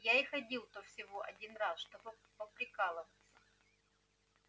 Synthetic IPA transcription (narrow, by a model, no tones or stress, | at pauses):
jaɪxɐdʲilˠt̪ofsʲɪvoʔɐdʲinrasʂt̪obɨ | pəpɾʲɪkalˠəvət̪sə